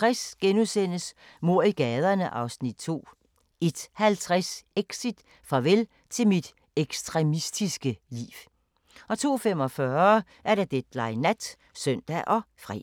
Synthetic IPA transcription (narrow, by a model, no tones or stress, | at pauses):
t͡sʁɛsɡ̥enusen̰əs | mo̝ɐ̰iɡ̥ɛːð̞ˠɐnəʔɑ̈ʊsnid̥t͡sʰo̝̰ː | e̝d̥hælt͡sʰʁɛseɡ̥sid̥ | fʁɑ̈ʋel | t͡sʰe̝lmid̥ | eɡ̥sd̥ʁɛmisd̥isɡ̥əlḭːw | ɒ̽t͡sʰo̝̰ːfem̰ɒ̽fɶː | ʔæɐɾ̥æd̥ed̥lɑ̈ɪnæd̥ | sœn̰d̥æʔɒ̽fʁḭː